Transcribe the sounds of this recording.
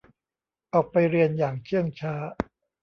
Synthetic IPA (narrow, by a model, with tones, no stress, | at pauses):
ʔɔː˨˩k̚pa˧jɾi˧ənjaː˨˩ŋt͡ɕʰɯ˥˩əŋt͡ɕʰaː˦˥